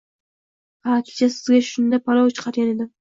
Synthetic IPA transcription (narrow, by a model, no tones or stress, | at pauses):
qɑɾat̪ʰɪ̥t͡ʃasɪzɡʲaʃʊnd̪apʰaɾowt͡ʃʰɨ̥qʰɑɾɡʲaned̪ɪ